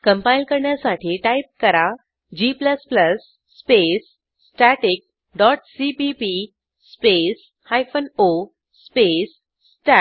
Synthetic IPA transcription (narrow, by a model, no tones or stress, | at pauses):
kəmpailkəɾɳjasaʈʰiːʈaip̚kəɾa | d͡ʑipləspləsː | pesː | ʈaʈik̚ | ɖɔʈsipipi | spes | hajfəno | spesː | ʈa